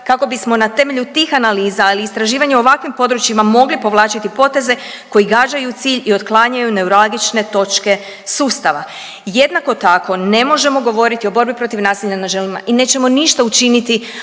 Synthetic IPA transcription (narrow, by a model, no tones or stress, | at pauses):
kako̞bismo̞nat̪e̞me̞ʎut̪iːxanaliːzaːliːst̪ɾaʒiːʋaɲeoʋakʋimpo̞d̪ɾut͡ʃimamo̞ɡlipo̞ʋlˠaːt͡ʃit̪ipo̞t̪e̞ze̞ | ko̞jiɡaːd͡ʑajut̪siːʎio̞t̪klˠaɲajune̞uɾalɡit͡ʃne̞t̪o̞t͡ʃke̞ | suːst̪aʋa̰ | je̞d̪nako̞t̪ako̞ne̞mo̞ʒe̞mo̞ɡo̞ʋo̞ɾit̪io̞bo̞ɾbipɾo̞t̪iʋnaːsiʎʲanaʒelima̰ʔine̞ːt͡ɕe̞mo̞niʃt̪aut͡ʃinit̪i